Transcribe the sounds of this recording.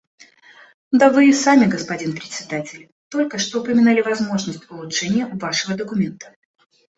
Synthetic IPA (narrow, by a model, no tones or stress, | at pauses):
d̪avɨɪsamʲɪɡəspɐdʲinpɾʲɪt̪ʲsʲɪd̪atʲɪlʲ | t̪o̞lʲkəʂt̪oʊpəmʲɪnalʲɪvɐzmo̞ʐnəsʲtʲʊlˠʊtʂɛnʲɪjəʊvaʂɨvəd̪əkʊmʲe̞nt̪ə̥